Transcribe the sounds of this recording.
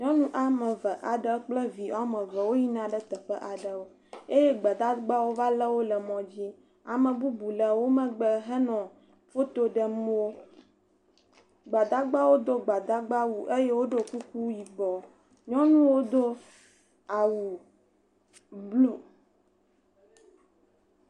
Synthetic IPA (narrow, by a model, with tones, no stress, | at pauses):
ɲɔ̃˦nũ˦ʔa˨mə̃˨və˨ʔa˨ɖə˦k͡plə˦vi˨a˨mə̃˨və˨wo˦ji˦nã˨ɖə˦t̪ə˨ɸə˦ʔa˨ɖə˨wo˦ | e˦je˦ɡ͡ba˨d̪a˦ɡ͡ba˦wo˦va˦lə˦wo˦lə˨mɔ̃˨d͡ʑi˦ | a˨mə̃˨bu˦bu˨lə˨wo˦mə̃˨ɡ͡bə˨ɦə˦nɔ̃˨ | fo˦t̪o˦ɖə˨mũ˦wo˦ | ɡ͡ba˨d̪a˦ɡ͡ba˦wo˦d̪o˦ɡ͡ba˨d̪a˦ɡ͡ba˦wu˨ʔe˦je˦wo˦ɖo˦ku˦ku˦ji˨bɔ˨ | ɲɔ̃˦nũ˦wo˦d̪o˦ | a˨wu˨ | blu˦